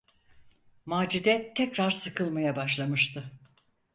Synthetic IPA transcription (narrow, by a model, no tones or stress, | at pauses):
maːd͡ʒid̪ɛt̪ʰːɛkɾaɾsɯkʰɯlˠmajabaʃlˠamɯʃt̪ʰɯ